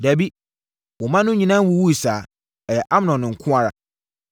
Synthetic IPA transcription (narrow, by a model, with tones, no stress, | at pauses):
dæ˨bi˦ | wɔ˨mã˦nʊ̃˦ɲĩ˨nã˦wu˨wu˦i˨saː˨ | ɛ˨jɛ˨ʔa˦m˦nɔ̃˨nɪ̃˨ŋ̩˨kʰʊ̃˦a˦ɾa˨